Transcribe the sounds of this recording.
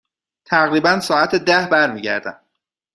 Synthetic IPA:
t̪ʰæɣɾiːbænsɒːæt̪ʰed̪æhbæɾmiːɟæ̰ɾd̪æ̰m

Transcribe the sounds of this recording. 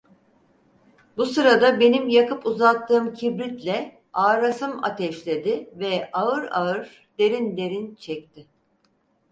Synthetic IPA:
busɯɾad̪abe̞nimjakɯpuzat̪ʰːɯːmcʰibɾit̪lʲɛ | aːɾasɯma̰t̪ʰɛʃlʲe̞d̪ɪvɛaɯɾaɯɾ | d̪e̞ɾind̪e̞ɾint͡ʃʰɛct̪ʰɪ

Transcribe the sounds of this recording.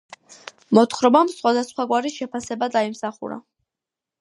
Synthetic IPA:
mɔt̪χɾɔbamsχwad̪asχwaɡwaɾiʃɛpʰasɛbad̪aimsaχṵɾa̰

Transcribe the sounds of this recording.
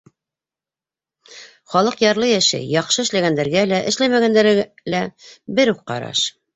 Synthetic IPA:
χɑlˠɤqjɑɾlˠɤjæʃæ̰jɑqʃɤɘ̆ʃlæɡænd̪æɾɡælæʔɘ̆ʃlæmæɡænd̪æɾ | læbɘɾuq̚qɑ̰ɾɑ̰ʃ

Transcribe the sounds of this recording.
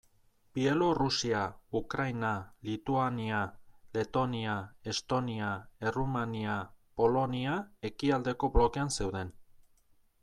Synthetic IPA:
pie̞lorusiaukɾajnalit̪uaniale̞t̪o̞niae̞st̪o̞niaerumaniapo̞lo̞niae̞kiald̪e̞ko̞blo̞ke̞anse̞wðe̞n

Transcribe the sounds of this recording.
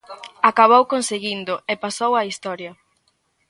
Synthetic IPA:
akaβ̞owkonseɣind̪ʊepasowɐist̪ɔɾjɐ

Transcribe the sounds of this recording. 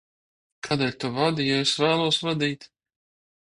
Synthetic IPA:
kʰaːd̪ɛlʲt̪uvad̪ijɔesvæːlˠuɔsvad̪iːt̪

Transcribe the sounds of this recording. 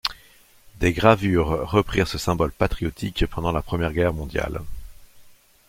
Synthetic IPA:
d̪eɡʁavyʁːəpχiʁsəsɛ̃bɔlpat̪χijɔt̪ʰikpɑ̃d̪ɑ̃lapχəmjɛʁɡʲɛʁmɔ̃d̪ja̰l

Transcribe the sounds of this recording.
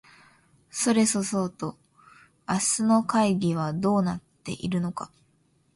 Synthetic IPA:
so̞ɾe̞so̞sot̪o̞ | asɨno̞kaiɡʲiβad̪o̞ːnat̪ːe̞̰ʔḭɾɯ̟no̞ka

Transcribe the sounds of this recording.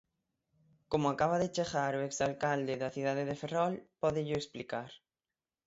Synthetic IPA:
komʊakaβ̞aðet͡ʃeɣaɾoeksalkald̪eðaθið̞aðeðeferɔlpɔðɪʎʊeksplikaɾ

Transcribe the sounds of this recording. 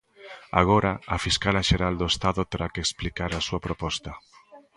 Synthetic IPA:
a̰ɣ̞oɾaafiskalaʃeɾald̪oest̪aðʊt̪eɾakeeksplikaɾasuapɾopɔst̪ɐ

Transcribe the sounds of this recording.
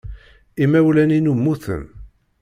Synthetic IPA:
imæwlæninumːuθə̰n

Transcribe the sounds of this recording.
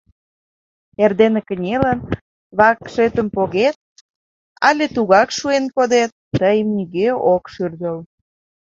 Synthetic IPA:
erd̪enekənʲelən | βɑkʃet̪əmpoɣet̪̚ | ɑ̰lʲet̪uɣɑkʃuenkod̪et̪ːəjəmniɣeokʃyrd̪əl

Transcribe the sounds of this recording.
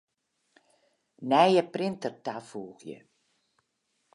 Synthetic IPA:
nɛjjəprɪntərtafuːɣjə̰

